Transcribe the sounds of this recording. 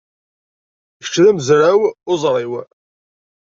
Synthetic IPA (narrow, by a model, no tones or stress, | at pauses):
çə̥t͡ʃːðæməzɾawʊzˤɾˤiw